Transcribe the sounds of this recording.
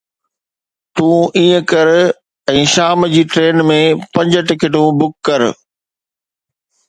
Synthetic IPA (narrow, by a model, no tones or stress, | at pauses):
t̪ũːiːə̃kɐɾ | ɛ̃ːʃaːmd͡ʑiːʈɾeːnmẽpɐ̃ɲd͡ʑəʈɪkɪʈũbʊkːɐɾ